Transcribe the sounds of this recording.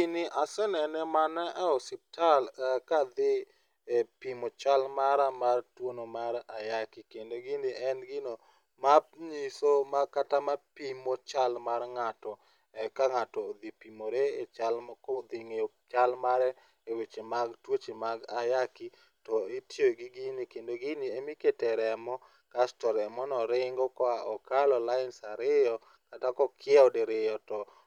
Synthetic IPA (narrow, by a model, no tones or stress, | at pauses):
inɪʔasɛnɛnɛmanɛʔaɔsɪp̚talakad̪ɪ | pimot͡ʃalmaɾamartwonomaɾajakɪkendoɡɪnɪɛnɡɪno | mapɲisomakatamapimot͡ʃalmarŋatɔ | kaŋatɔd̪ipimoɾeet͡ʃalkod̪ɪŋeo | t͡ʃalmaɾɛ | ewet͡ʃemaɡtwot͡ʃemaɡajaki | tɔetjoɡiɡinikendoɡɪniemɪketɛɾɛmɔ | kastɔɾɛmɔnɔɾɪŋɡɔkɔaɔkalɔlaɪnsaɾɪjɔ | katakɔkʰɪɛɔdeɾɪjɔtɔ